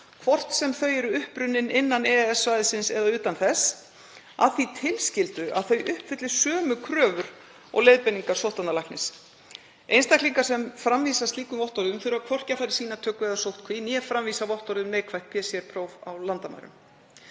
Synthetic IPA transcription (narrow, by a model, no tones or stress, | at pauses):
kʰvɔr̥t̪sɛmθœɥɛɾʏʏhpɾʏnːɪnɪnːanɛɛsvajðɪsɪnsɛðaʏːt̪anθɛs | a̰ðθit̪ʰɪlscɪlt̪ʏʔa̰ðθœɥʔʏhpvɪt̪lɪsœːmʏkʰɾœːvʏɾ̥ | ɔ̰ɣlejðpɛniŋkḁsowht̪analahknɪs | ejnst̪akliŋkasɛmfɾamvisast̪liːkʏmvɔht̪ɔɾðʏmθʏɾʏakʰvɔr̥cafajɾɪ̥siːnat̪ʰœːkʏveːjðasowht̪kʰvinjɛfɾamviːsavɔht̪ɔɾðʏmneːjkʰvajht̪pʰɛːsiɛɾpʰɾowvawlant̪ama̰jɾʏ̰m